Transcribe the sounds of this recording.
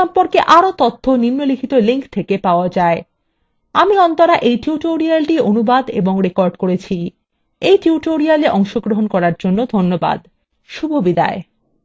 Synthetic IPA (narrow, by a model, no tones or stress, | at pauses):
ɔmpoɾkeʔaɾot̪ot̪ʰːoninːolikʰit̪oliŋkt̪ʰekepaoad͡ʑae | amiɔnt̪oɾaʔejʈiuʈoɾialʈionubad̪ḛboŋɾekoɾɖkoɾet͡ɕʰi | ejʈiuʈoɾialeʔɔŋʃoɡɾoɦonkɔɾaɾd͡ʑonːod̪ʱonːoba̰d̪ | ʃubʱobid̪a̰e